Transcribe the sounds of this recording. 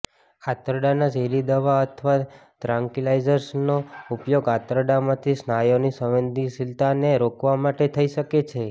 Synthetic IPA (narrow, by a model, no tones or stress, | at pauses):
at̪əɾəɖanad͡ʒeɾid̪əʋaət̪ʰʋa | t̪ɾãŋkilajd͡ʒəɾsnoupjoɡat̪ɾəɖamãt̪ʰisnajonisəʋənd̪ʱisilt̪aneɾokʰʋamaʈet̪ʰəiʃəket͡ʃʰe